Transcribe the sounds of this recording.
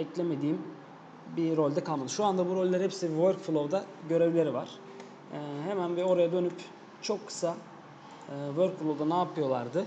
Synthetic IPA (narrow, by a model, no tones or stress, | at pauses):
ɛclʲeme̞d̪iːim | biɾolʲd̪ɛkʰalmad̪ɯʃuand̪abuɾo̞lʲlʲːaɾhɛpsivøɾkflˠovd̪aɟø̞ɾevlʲe̞ɾiva̰ɾ̥ː | ɦemænbio̞ɾajad̪ø̞nyp | t͡ʃʰo̞kʰːɯ̥sa | ɯːvøɾkfulˠovd̪anaːpʰɯjo̞lˠaɾd̪ɯ